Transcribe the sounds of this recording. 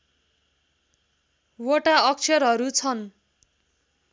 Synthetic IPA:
woʈaʌk̚t͡sʰʌɾɦʌɾut͡sʰʌn

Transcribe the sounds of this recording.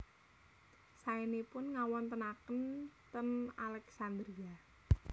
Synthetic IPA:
saenepʊnŋawɔnt̪ənakənt̪əna̰lɛksand̪ɾia

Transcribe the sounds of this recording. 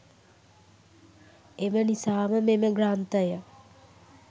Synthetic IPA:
emənisaːməmeməɡɾant̪əjə

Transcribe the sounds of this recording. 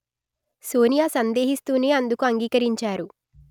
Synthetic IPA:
soːnijaːsɐnd̪e̞ːɦist̪uːneːɐnd̪ukuɐŋɡiːkɐɾiɲt͡ʃaːɾu

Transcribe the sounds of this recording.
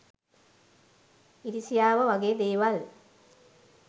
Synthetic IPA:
iɾisijaːʋəʋaɡeːd̪eːʋal

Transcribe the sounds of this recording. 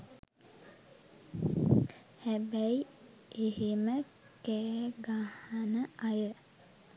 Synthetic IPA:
hæbæi | eɦemə | kɛːɡahanəajə

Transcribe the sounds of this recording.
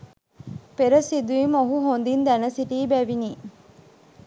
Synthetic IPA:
peɾɐsid̪uimoɦuɦond̪ind̪ænɐsiʈiːbæʋiniː

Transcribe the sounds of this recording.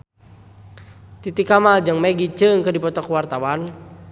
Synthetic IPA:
t̪it̪ikamald͡ʒɨŋmɛɡit͡ʃəŋkədipɔt̪ɔkwart̪awan

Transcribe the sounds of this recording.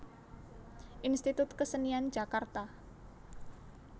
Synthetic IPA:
ʔinst̪it̪ut̪kəsəniand͡ʒakart̪a

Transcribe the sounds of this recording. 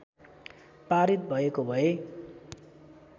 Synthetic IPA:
paɾit̪̚bʱʌekobʱʌe

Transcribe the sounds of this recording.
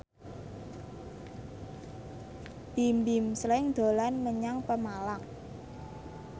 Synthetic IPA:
bimbimslɪŋd̪̥o̤lanməɲaŋpəmalaŋ

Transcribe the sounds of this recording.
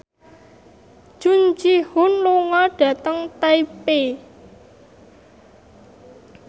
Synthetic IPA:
ʒ̥und͡ʒihʊnluŋɔɖ̥ä̤t̪əŋt̪eipe

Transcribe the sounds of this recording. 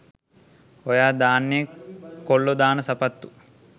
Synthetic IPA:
ojaːd̪aːnːeːkoɭːud̪aːnɐsɐpɐt̪ːu̥

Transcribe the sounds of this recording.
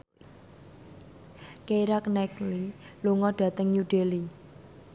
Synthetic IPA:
keiɾaknɛkliluŋɔɖ̥ä̤t̪əŋjuɖ̥eli

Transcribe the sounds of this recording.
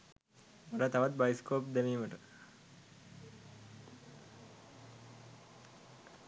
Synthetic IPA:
oɾat̪aʋat̪̚bajskoːp̚d̪æmiːməʈə

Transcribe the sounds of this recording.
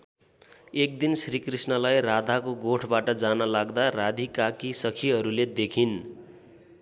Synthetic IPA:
ek̚d̪insrikrisnʌlajrad̪ʱakoɡoʈʰbaʈʌd͡zanʌlaɡd̪arad̪ʱikakisʌkʰiɦʌɾuled̪ekʰin

